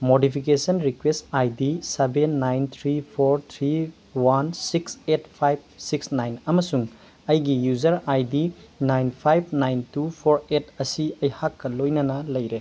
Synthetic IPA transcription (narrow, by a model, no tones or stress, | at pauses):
modipʰikesɐnɾikwestajdisebenːajnt̪ʰɾipʰoɾt̪ʰɾi | wansikset̚pʰajb̚siksnajnɐmɐsuŋ | ɐjɡijud͡ʒɐɾajdinajnpʰajb̚ʰnajntupʰoɾetɐsiɐjhakːɐlojnɐnɐlɐjɾe